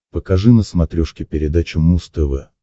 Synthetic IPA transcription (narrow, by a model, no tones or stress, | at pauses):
pəkɐʐɨnəsmɐt̪ɾʲoʂkʲɪpʲɪɾʲɪd̪at͡ɕʊmust̪əvɛ